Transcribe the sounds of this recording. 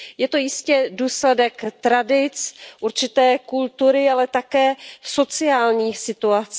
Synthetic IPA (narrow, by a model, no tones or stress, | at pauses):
jɛt̪o̞jɪscɛduːslɛdɛkt̪ɾadɪt͡sʔuɾt͡ʃɪt̪ɛːkult̪uɾɪalɛt̪akɛːso̞t͡sɪaːlɲiːxsɪt̪uat͡s